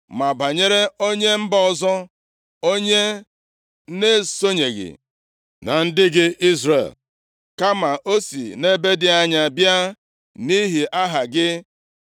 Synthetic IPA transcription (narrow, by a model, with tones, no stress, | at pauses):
ma˨ba˨ɲe˦ɾe˦o˦ɲe˦m̩˦bɔ˦ɔ˨zɔ˦ | o˦ɲe˦ | ne˦so˦ɲe˨ɣɪ̰˨ | na̰˨n̩˦dɪ˦ɡɪ˦i˦zɾḛ˨l | ka˦ma˨ʔo˦sḭ˨ne˦be˦dɪ˦a˦ɲa˦bja˦ | ni˦ɦi˨ʔa˦ɦa˨ɡɪ˦